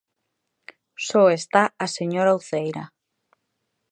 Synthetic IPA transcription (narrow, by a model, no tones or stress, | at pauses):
sɔest̪aaseɲoɾawθejɾa